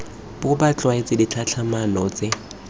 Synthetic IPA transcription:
bʊbat͡ɬʼwaɪt͡sʼɪdit͡ɬʰat͡ɬʰamanɔt͡sʼɪ

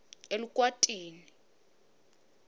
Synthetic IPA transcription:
elukʼwatʼiːni

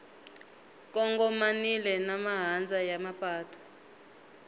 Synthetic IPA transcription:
k̬ʼɔŋɡɔmanilɛnamaɦand͡zʱajamapʰʼaːtʰɔ̥

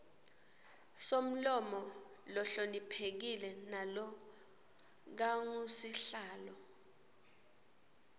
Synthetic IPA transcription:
som̩lɔmɔ | lɔɬonipʰek̬ilɛnalɔ | k̬aŋusiɬaːlɔ

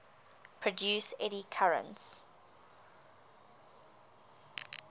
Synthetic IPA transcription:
pʰɹɔdjʉːsɛɾikʰaɹə̰̃nts

